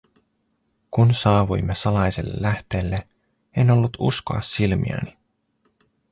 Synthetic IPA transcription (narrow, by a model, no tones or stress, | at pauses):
kunsɑːʋujmːesɑlɑjsḛlːḛlæht̪e̞ːlːe | eno̞lːut̪ṵsko̞̰ɑ̰sːilmḭæ̰ni